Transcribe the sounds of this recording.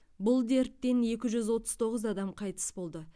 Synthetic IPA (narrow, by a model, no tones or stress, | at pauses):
bʊlˠd̪e̞ɾt̪ːe̞ne̞kʲɪʒʏzwo̞t̪əz̥t̪ʰo̞ʁəzɑd̪ɑmqʰɑjt̪ə̥sbo̞lˠd̪ə